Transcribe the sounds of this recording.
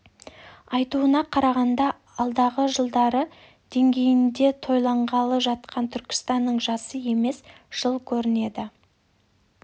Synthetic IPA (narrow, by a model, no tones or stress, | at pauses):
ɑjt̪uənɑqʰɑɾɑʁɑnd̪ɑ | ɑlˠd̪ɑʁəʒəlˠd̪ɑɾə | d̪̥e̞ŋɡʲe̞jɪnd̪e̞t̪ʰo̞jlˠɑɴʁɑlˠəʒɑt̪̚qɑnt̪ʰʏɾkʲɪ̥st̪ɑnːəɴʒɑsəje̞me̞s | ʒ̥əlˠkʲʰɵɾɪne̞d̪ɪ